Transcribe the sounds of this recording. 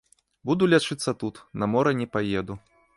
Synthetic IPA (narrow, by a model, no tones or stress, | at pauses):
bud̪ulʲat͡ʂɨt̪sːɐt̪ut̪nɐmɔɾɐnʲɛpajɛd̪u